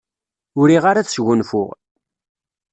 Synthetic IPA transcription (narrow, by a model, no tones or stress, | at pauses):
ʊɾiʁaɾaθsʝʊnfʊ̰ʁ